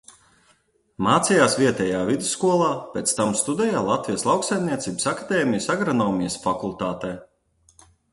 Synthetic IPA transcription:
maːt̪sijaːsviɛt̪ʲɛjaːvid̪u̥sːkuɔlˠaːpʲɛt̪st̪amst̪ud̪ɛjaːlˠat̪vijəslˠawksajmnʲiɛt̪siːbsakad̪eːmijəsaɡɾɔnɔːmʲijəsfakulˠt̪aːt̪ɛː

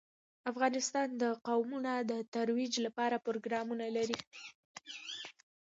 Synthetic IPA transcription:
afɣɑnɪst̪ɑnd̪əqawmunad̪ət̪aɾwid͡ʒlapɑɾapɾoɡɾɑmunalaɾi

